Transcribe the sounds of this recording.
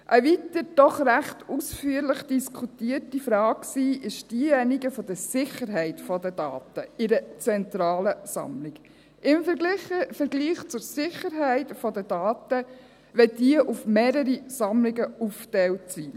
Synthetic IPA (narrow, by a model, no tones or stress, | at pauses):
ʔəʋit̪əɾd̥ɔχɾæχtusfyəɾlɪχd̥iskʰutiəɾtifɾɑːkksiːʔɪʃd̥iːjɛniɡəfɔd̪əɾsɪχəɾɦɛɪtfɔdədɑ̰ːt̪əɪɾət͡sɛnt̪ɾɑːləsɑ̰mliɡ | ʔɪmfəɾɡliχəfəɾɡliːχt͡sʊɾsɪχəɾɦæɪtfɔd̪ədɑːtə | ʋɛdiəʔufmeːɾəɾisɑmlɪɡəuftɛwtsi